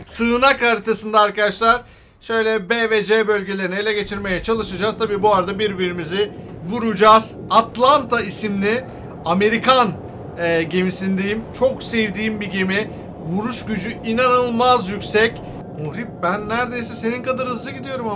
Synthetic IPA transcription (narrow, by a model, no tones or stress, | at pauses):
sɯnakaɾit̪ʰasɯnd̪aaɾkad̪aʃlˠaɾ̥ | ʃø̞jlʲɛbevɛd͡ʒebø̞lʲɟe̞lʲeɾinielʲɛɟe̞t͡ʃʰiɾme̞jɛt͡ʃʰalˠɯʃɯd͡ʒaːz̥t̪ʰabiːbuaɾad̪abiɾbiɾimiziɪ | vuɾud͡ʒaːz̥ | at̪lˠant̪ʰaisimlʲi | ame̞ɾikan | ɛɟe̞misind̪ejimt͡ʃʰo̞ksɛvd̪iːmbiɟemi | vuɾuʃɟyd͡ʒyʔinanɯlˠmazjycʲsɛc | muhɾip̚bænːæɾd̪e̞jsɛse̞ninkad̪aɾhɯzlˠɯɟid̪ijo̞ɾuma